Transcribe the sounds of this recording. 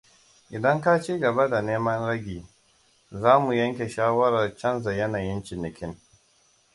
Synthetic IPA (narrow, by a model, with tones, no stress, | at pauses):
ʔɪ˨dɐ˦ŋka˦t͡ʃiː˦ɡɐ˨ba˦da˨neː˦mɐ˦nɾɐ˦ɡʲiː˨ | zaː˦mu˨jɐ˦ŋkʲe˨ʃaː˦wɐ˦ɾɐ˨rt͡ʃɐ˦nza˨jɐ˦naː˨jɪ˦nt͡ʃɪ˨nɪ˨kʲʰɪ˦n